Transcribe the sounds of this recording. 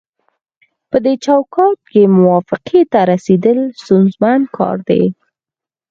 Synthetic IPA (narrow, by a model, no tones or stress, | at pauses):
pəd̪et͡ʃawkɑt̪̚kemʊwɑfɪqʰet̪aɾased̪əlst̪unzmankʰɑ̰ɾd̪ḛ